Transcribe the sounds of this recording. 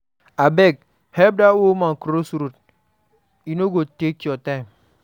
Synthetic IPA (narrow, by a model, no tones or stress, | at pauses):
abek̚ | hɛb̚dawomaŋkɾosuɾut̚ | inoɡotekiɔtaim